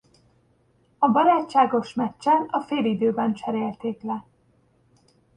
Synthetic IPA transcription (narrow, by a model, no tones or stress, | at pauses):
ɒbɒɾaːt͡ʃːaːɡo̞ʃmɛt͡ʃːɛnɒfeːlid̪øːbɛnt͡ʃɛɾeːlt̪eːklɛ